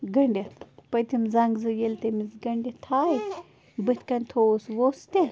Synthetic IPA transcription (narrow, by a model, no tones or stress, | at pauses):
ɡɐɳɖʲepɐt̪imzɐŋɡzɨjelʲt̪ɐmizɡɐɳɖʲet̪ʰaːj | bɨt̪ʰʲkɐnʲt̪ʰoːsʋost̪e